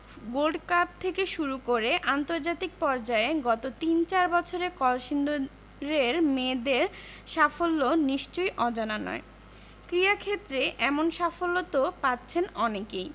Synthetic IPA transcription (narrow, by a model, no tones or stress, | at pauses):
ɡolɖkap̚t̪ʰekeʃuɾukoɾeʔant̪oɾd͡ʑat̪ik̚pɔɾd͡ʑaeɡɔt̪ot̪int͡ɕaɾbɔt͡ɕʰoɾekɔlʃind̪o | ɾeɾmed̪eɾ | ʃafolːoniʃt͡ɕojʔɔd͡ʑananɔ̰e | kɾiakʰet̪ːɾeʔɛmonʃafolːot̪opatːɕʰenɔnekej